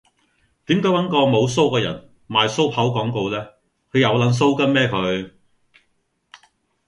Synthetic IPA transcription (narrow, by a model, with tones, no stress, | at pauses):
t̪iː˨˥mkɔː˨˥wɐ˨˥nkɔː˧mo˨˧wso˥wkɛː˧jɐ̰˨˩n | maː˨˧jso˥wpʰɐ˨˥wkɔː˨˥ŋko˧wlɛː˥ | kʰɵ˨˧jɐ˨˧wlɐ˨˥ns̬o˥wkɐ˥nmɛː˥kʰɵ˨˧ɥ